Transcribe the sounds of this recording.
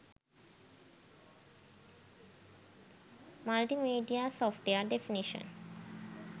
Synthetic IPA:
malʈimiɖiasɔfʈeəɖefiniʃə̰̃n

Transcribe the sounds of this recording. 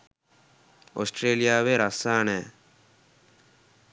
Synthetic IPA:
osʈɾeːlijaːʋeɾasaːnɛː

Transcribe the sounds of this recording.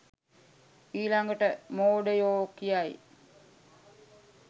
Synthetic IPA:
iːlaŋɡəʈəmoːɖəjoːkijaj

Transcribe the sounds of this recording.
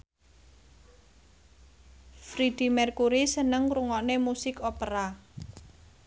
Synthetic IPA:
fɾid̪̥i̤mɛrkuɾisənəŋɾuŋɔnemusɪkopəɾa

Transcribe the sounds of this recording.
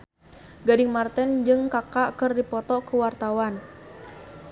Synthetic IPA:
ɡadiŋmart̪ɛnd͡ʒɨŋkakaʔkɨrdipɔt̪ɔkuwart̪awan

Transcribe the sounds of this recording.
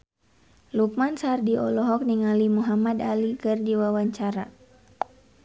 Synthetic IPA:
luk̚mansardiɔlɔɦɔk̚niŋalimuɦamadalikɨrdiwawaɲt͡ʃaɾa

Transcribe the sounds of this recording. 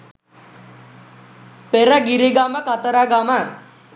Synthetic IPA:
peɾəɡiɾeɡaməkat̪əɾaɡama

